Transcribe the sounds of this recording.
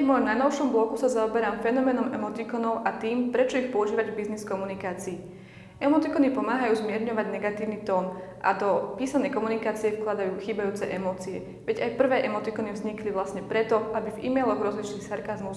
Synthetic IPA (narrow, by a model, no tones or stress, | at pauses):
vmɔjɔmnajnɔʊʃɔmblɔkusazaɔbɛɾaːmfɛnɔmɛnɔmɛmɔt̪ikɔnɔʊʔat̪iːmpɾɛt͡ʃɔixpɔuʒiːʋaɟvbizniskɔmunikaːt͡siː | ɛmɔt̪ikɔnipɔmaːɦajuːzmɪɛɾɲɔʋaɟnɛɡat̪iːʊnit̪ɔːnʔa̰d̪ɔpiːsanɛjkɔmunikaːt͡siɛfklad̪ajuːxiːbajuːt͡sɛʔɛmɔːt͡siɛ̰ | ʋɛɟajpr̩ʋɛːʔɛmɔt̪ikɔnivzɲikliʋlasɲɛpɾɛt̪ɔabivḭmɛjlɔɣɾɔzlit͡ʃniːxsaɾkazmus